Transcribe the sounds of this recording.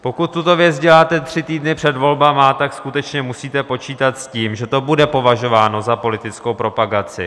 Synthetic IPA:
po̞kut̪̚ːut̪o̞vjɛt͡sɟɛlaːt̪ɛt̪r̝̥ɪt̪iːdnɪpr̝̥ɛd̪vo̞lbamat̪akskut̪ɛt͡ʃɲɛmusiːt̪ɛpo̞t͡ʃiːt̪at̪sciːmʒɛt̪o̞budɛpo̞vaʒo̞vaːno̞zapo̞lɪt̪ɪt͡sko̞wpɾo̞paɡat͡sɪ̰

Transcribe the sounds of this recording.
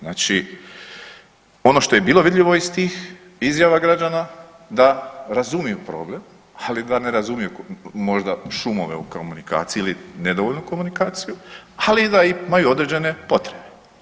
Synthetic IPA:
znaːt͡ʃi | o̞no̞ʃt̪o̞je̞biːlˠo̞ʋid̪ʎʲiʋo̞ist̪iːx | izjaʋaɡɾad͡ʒana | d̪aɾazumijupɾo̞ːble̞m | alid̪ane̞ɾazumijumo̞ʒd̪aʃumo̞̰ʋe̞̰ukomunika̰ːt̪siilined̪oʋoʎnuko̞munikaːt̪sijualiːd̪aiimajuo̞d̪ɾed͡ʑe̞ne̞po̞t̪ɾebe

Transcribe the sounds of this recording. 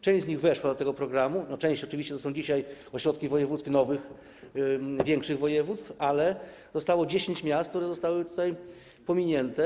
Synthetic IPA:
t͡ʂɛ̃ɕd͡ʑzɲiɣvɛʂwad̪ɔt̪ɛɡɔpɾɔɡɾamunɔt͡ʂɛ̃ɕt͡ɕɔt͡ʂɨvʲiɕt͡ɕɛt̪ɔsɔ̃w̃d͡ʑiɕajɔɕɾɔt̪̚kʲivɔjɛvut̪skʲinɔvɘx | vʲjɛŋkʂɘɣvɔjɛvut̪st̪falɛ | zɔst̪awɔd͡ʑeɕeɲt͡ɕmʲjast̪k̚t̪uɾɛzɔst̪awɘt̪ut̪aj | pɔmʲiɲɛnt̪ɛ

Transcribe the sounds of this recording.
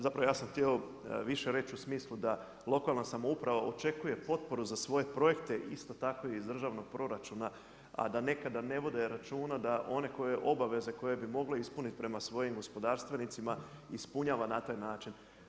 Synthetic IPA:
zapɾaʋojaːsamxt̪ieo̞ | ʋiʃe̞ɾe̞t͡ʃusmiːslˠud̪a | lˠo̞kalˠnasamo̞upɾaʋaʔo̞t͡ʃe̞kuje̞po̞t̪̚po̞ɾuzasʋo̞je̞pɾo̞je̞kt̪e̞ʔist̪o̞t̪ako̞jeizd̪r̩ʒaːʋno̞ɡ̥̚pɾo̞ɾat͡ʃuna | a̰d̪ane̞kad̪ane̞ʋod̪e̞ɾat͡ʃuːnad̪aʔo̞ne̞ko̞je̞ʔo̞baʋe̞ze̞ko̞je̞bimo̞ɡleispunit̪i̥pɾe̞masʋo̞jimɡo̞spo̞d̪aːɾst̪ʋe̞nit̪simaispuɲaːʋanat̪aːjnaːt͡ʃin

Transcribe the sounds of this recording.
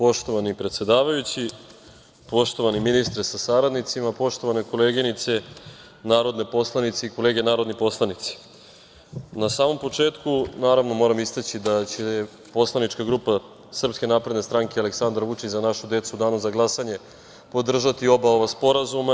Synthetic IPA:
po̞ʃt̪o̞ʋanipɾe̞t̪sʲe̞d̪aːʋajut͡ɕi | po̞ʃt̪o̞ʋaniminist̪ɾesasaɾad̪nit̪simapo̞ʃt̪o̞ʋane̞ko̞leːɡinit̪se̞ | naːɾo̞d̪ne̞po̞slˠanit̪seiko̞le̞ːɡe̞naːɾo̞d̪nipo̞slˠanit̪si̥ | nasaːmo̞mpo̞t͡ʂe̞ːt̪kunaːɾaʋno̞mo̞ɾamist̪et͡ɕid̪at͡ɕe | po̞slˠanit͡ʃkaɡɾuːpa | sr̩pske̞naːpɾe̞d̪nest̪ɾaŋkeale̞ksand̪ɾʋut͡ʃit͡ɕzanaʃud̪e̞t̪sud̪aːnuzaɡlˠasaɲe̞ | po̞d̪r̩ʒat̪io̞baoʋaspo̞ɾazuma

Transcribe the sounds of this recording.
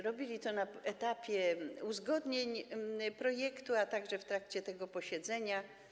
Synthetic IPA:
ɾɔbʲilʲit̪ɔnaɛt̪apʲjɛuzɡɔd̪ɲeɲpɾɔjɛkt̪uat̪aɡʐɛft̪ɾakt͡ɕɛt̪ɛɡɔpɔɕɛd̪zɛɲa

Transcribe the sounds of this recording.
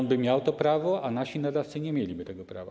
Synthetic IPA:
nbɘmʲjawt̪ɔpɾavɔʔanaɕinad̪aft̪sɘɲɛmʲjelʲibɘt̪ɛɡɔpɾa̰va̰

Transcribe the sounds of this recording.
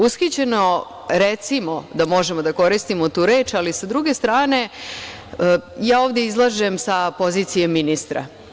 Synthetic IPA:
usxit͡ɕe̞no̞ | ɾet̪simo̞d̪amo̞ʒe̞mo̞d̪ako̞ɾist̪imot̪uːɾe̞ːt͡ʃalisad̪ɾuɡe̞st̪ɾaːne̞ | əjaːoːʋd̪jeizlˠaʒe̞msapo̞ziːt̪sijemːinist̪ɾa̰

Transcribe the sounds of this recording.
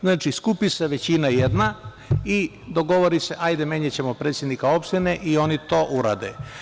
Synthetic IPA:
znaːt͡ʃiskupiseʋet͡ɕinajed̪na | i | d̪o̞ɡo̞ʋoɾise̞ʔajd̪emeɲet͡ɕe̞mo̞pɾet̪sʲjed̪nikao̞pʃt̪eneʔio̞nit̪o̞ːʔuɾa̰ːd̪e

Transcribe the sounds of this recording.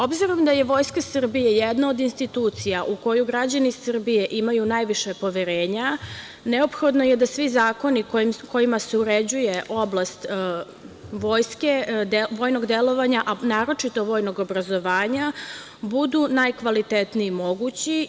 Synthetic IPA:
o̞bziɾomd̪aje̞ʋo̞ːjskasr̩bijejed̪naod̪inst̪it̪uːt̪sijaʔuko̞juɡɾad͡ʑanisr̩bije̞ʔimajunajʋiʃe̞po̞ʋeɾeːɲa | ne̞o̞pxo̞d̪no̞jed̪asʋizaːko̞niko̞jimaseuɾe̞d͡ʑuje̞ʔo̞blast̪ | ʋo̞ːjsked̪eʋo̞ːjno̞ɡd̪elo̞ʋaɲaʔanaːɾo̞t͡ʂit̪o̞ʋo̞ːjno̞ɡobɾazo̞ʋaːɲa | bud̪unajkʋalit̪et̪niːmo̞ɡut͡ɕi

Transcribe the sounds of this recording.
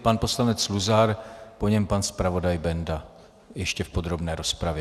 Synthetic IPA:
panpo̞slanɛt͡sluzaɾpoɲɛmpanspɾavo̞dajbɛnda | jɛʃcɛfpo̞d̪ɾo̞bnɛːɾo̞spɾavjɛ

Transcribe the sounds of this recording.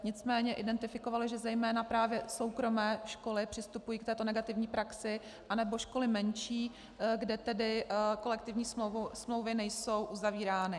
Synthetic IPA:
ɲɪt͡smɛːɲɛʔɪdɛnt̪ɪfɪko̞valɪʒɛzɛjmɛːnapɾaːvjɛso̞wkɾo̞mɛːʃko̞lɪpr̥ɪst̪upujiːkt̪ɛːt̪o̞nɛɡat̪ɪvɲiːpɾaksɪ | ʔanɛbo̞ʃko̞lɪmɛnʃiː | ɡdɛt̪ɛdɪko̞lɛk̚t̪ɪvɲiːsovsmlo̞wvɪnɛjso̞wʔuzaviːɾaːnɪ

